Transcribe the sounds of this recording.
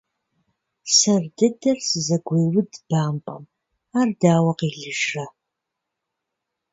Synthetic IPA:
sɐrdɨdɐrsɨzɐɡʷejwʊdb̥aːmpʼɐ̰m | aːrdaːwɐqiːɮɨʒɐ

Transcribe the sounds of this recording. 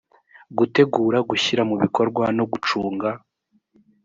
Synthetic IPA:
ɡute̞ɡuːɾaɡuçiɾamuβiko̞ɾɡwano̞ɡut͡ʃuːŋɡa

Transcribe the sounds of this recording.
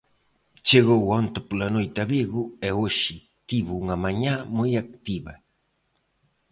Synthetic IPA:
t͡ʃeɣowant̪apʊlanʊjt̪abiɡʊewoʃi | t̪iβʊŋamaɲamʊjak̚t̪iba̰

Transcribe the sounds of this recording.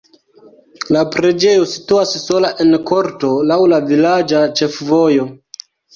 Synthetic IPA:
lapɾe̞d͡ʒe̞jo̞si̥tuasːo̞laʔe̞nko̞ɾto̞lawlavilad͡ʒat͡ʃe̞fvo̞jo̞

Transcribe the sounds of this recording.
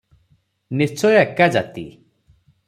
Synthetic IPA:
nit͡sojakad͡ʒat̪ḭ

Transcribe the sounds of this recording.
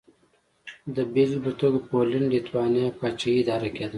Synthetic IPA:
d̪əbilbət̪oːɡpoːlinɖit̪wɑːnijapaːt͡ʃɐiːd̪ɑːɾɐkeːd̪ə

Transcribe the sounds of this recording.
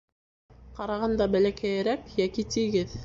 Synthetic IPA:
qɑɾɑʁɑnd̪ɑbælækæjæɾækjækit̪iɡɘð

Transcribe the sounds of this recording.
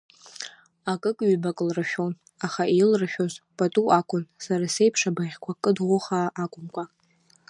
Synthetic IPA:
akʼɨkʼɥbakʼlraʃʲᶣon | aχailraʃʲᶣozpʼatʼuʔakʷʰʼʊnsaɾase̞jpʰʂabaʁʲkʷʰakʼɨdʁʷʊχaʔːkʷʼʊmkʷʰa

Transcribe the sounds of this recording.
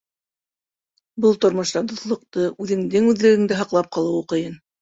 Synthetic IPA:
bɤlˠt̪ŏɾmŏʃt̪ɑd̪ŏθlˠɤ̆q̚t̪ɤʉðɘ̆ŋd̪ɘŋʉðlɘ̆ɡɘ̆ŋd̪ɘɦɑqlˠɑp̚qɑlˠɤwuqɤ̆jɤn

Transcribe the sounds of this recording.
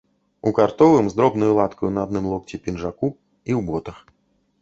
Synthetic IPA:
ukart̪ɔvɨmzd̪ɾɔbnɔjulˠat̪kɐjunɐad̪nɨmlˠɔkt͡sʲipʲinʐaku | iwbɔt̪ɐx

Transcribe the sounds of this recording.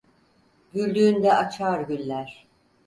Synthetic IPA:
ɟylʲd̪yːnd̪ɛʔat͡ʃʰaːɾɟylʲlʲæɾ̥

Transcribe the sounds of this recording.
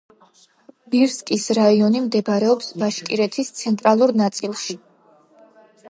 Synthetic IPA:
biɾskʼisɾaiɔnimd̪ɛbɾɛɔpsbaʃkʼiɾɛt̪ʰist̪sʰɛnt̪ʼɾalˠuɾnat̪sʼilˠʃi

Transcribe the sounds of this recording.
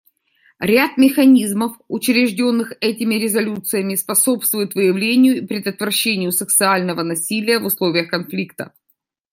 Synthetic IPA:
ɾʲat̪mʲɪxɐnʲizməfʊt͡ɕɾʲɪʐdʲo̞nːɨxɛtʲɪmʲɪɾʲɪzɐlʲut̪sɨjəmʲɪspɐso̞pst̪vʊjʊt̪vɨjɪvlʲenʲɪjʊipɾʲɪd̪ət̪vɾɐɕːenʲɪjʊsək̚sɨalʲnəvənɐsʲilʲɪjəvʊslˠo̞vʲɪjəxkɐnflʲikt̪ə̰

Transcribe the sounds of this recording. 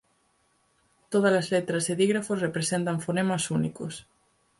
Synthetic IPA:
t̪oð̞ɐlɐzlet̪ɾɐzeðiɣɾafosrepɾesent̪ɐɱfonemasunikos

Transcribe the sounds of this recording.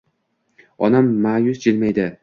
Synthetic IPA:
ɒnamːaːjʊsd͡ʒɪlmajd̪ɪ

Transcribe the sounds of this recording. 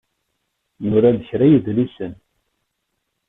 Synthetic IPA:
nʊɾaðəçɾæjəðlisən

